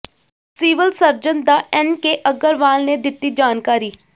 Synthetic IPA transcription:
siːʋəlsəɾd͡ʒənd̪aːʔɛnkeʔəɡəɾʋaːlned̪ɪt̪ːid͡ʒaːnkaːɾiː

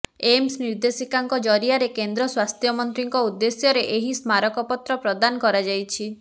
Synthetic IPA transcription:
emsniɾd̪esikaŋkɔd͡ʒɔɾiaɾekend̪ɾɔswast̪ʰjɔmɔnt̪ɾiŋkɔud̪ːesjɔɾeʔeɦismaɾɔkɔpɔt̪ɾɔpɾɔd̪anɔkɔɾad͡ʒajt͡ʃʰi

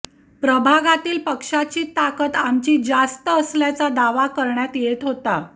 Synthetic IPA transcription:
pɾəbʱaɡat̪iːlpəkʂat͡ɕiːt̪akət̪amt͡ɕiːd͡zast̪əːsljat͡sad̪aʋakəɾɳjat̪jet̪ɦot̪a

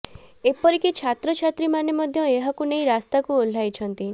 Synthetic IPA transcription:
epɔɾikit͡ʃʰat̪ɾɔt͡ʃʰat̪ɾimanemɔd̪ʱjɔeɦakunejɾast̪akuol̤ajt͡ʃʰɔnt̪i

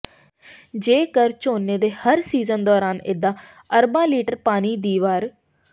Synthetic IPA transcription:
d͡ʒeːkəɾt͡ʃoːnːeːd̪eːhəɾsiːzənd̪ɔːɾaːnɪ̰d̪ãː | əɾbãːliːʈəɾpaːniːd̪iːʋaːɾ

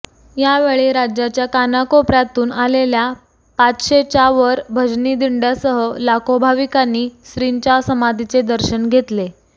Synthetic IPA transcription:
jaʋeɭeɾad͡ʑjat͡ɕjakanakopɾjat̪uːnalelja | pat͡sɕet͡ɕaʋəɾbʱəd͡ʑnid̪iɳɖjasəɦəlakobʱaʋikanːiːsɾiɲt͡ɕjasəmad̪ʱit͡sed̪əɾɕənɡʱet̪le

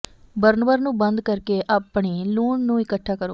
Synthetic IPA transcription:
bəɾnʋəɾnũːbənd̪kəɾkeːʔaːpɳeːluːɳnũːɪkəʈʰːaːkəɾo̰ː

